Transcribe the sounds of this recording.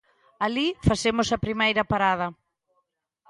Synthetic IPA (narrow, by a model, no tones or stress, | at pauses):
alifasemʊsɐpɾimejɾɐpaɾað̞ɐ